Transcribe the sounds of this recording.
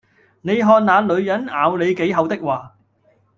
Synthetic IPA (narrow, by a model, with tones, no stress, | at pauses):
ne˨˧jɦɔː˧nnaː˨˧lɵ˨˧ɥjɐ˨˥na̰ː˨˧wle˨˧jke˨˥jɦɐ˨˧wt̪ɪ˥k̚waː˨